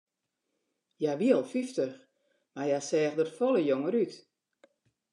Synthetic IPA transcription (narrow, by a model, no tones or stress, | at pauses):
jaʋiəlˠfiftəx | majasɛːxdətfɔlˠəjoŋəɾyt